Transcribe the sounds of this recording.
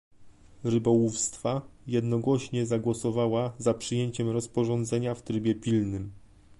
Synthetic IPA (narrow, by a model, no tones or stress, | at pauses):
ɾɘbɔwufst̪fajɛd̪nɔɡwɔɕɲɛzaɡwɔsɔvawazapʂɘjeɲt͡ɕɛmɾɔspɔʐɔnd̪zɛɲaft̪ɾɘbʲjɛpʲilnɘm